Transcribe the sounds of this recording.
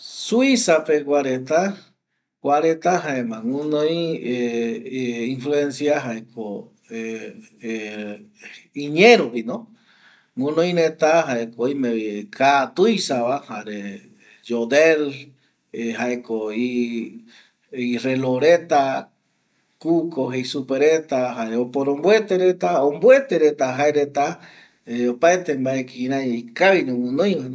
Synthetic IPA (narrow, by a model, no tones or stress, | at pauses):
suisapekwaɾet̪a | kwaɾet̪aɦaemãŋũnõj̃e | influensjaɦaekʰo | iɲẽɾopinõ | ŋũnõĩnet̪aɦaekoimekʰat̪ujsaβahaɾe | d͡ʒod̪el | ɦaekoi | ireloɾet̪a | kukoɦejsupeɾet̪aɦaeopoɾombwet̪eɾet̪aombwet̪eɾet̪aɦaeɾet̪a | eopaet̪embaekĩɾãikaβinẽwɨnõj̃an